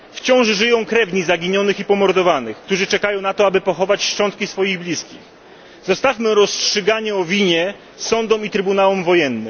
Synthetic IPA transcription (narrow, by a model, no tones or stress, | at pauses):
ft͡ɕɔ̃w̃ʐʐɘjɔ̃w̃kɾɛvɲizaɡʲiɲɔnɘxipɔmɔɾd̪ɔvanɘxkt̪uʐɘt͡ʂɛkajɔ̃w̃nat̪ɔabɘpɔxɔvat͡ɕʂt͡ʂɔnt̪̚kʲisfɔjiɣblʲiskʲix | zɔst̪afmɘɾɔstʂɘɡaɲɛɔvʲiɲɛ | sɔnd̪ɔmit̪ɾɘbunawɛmvɔjɛnːɘm